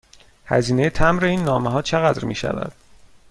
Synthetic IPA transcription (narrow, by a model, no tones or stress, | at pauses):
hæ̰ziːne̞jet̪ʰæmɾeiːnːɒːmeɦɒːt͡ʃʰeɣæd̪ɾmiːʃæ̰væ̰d̪̥̚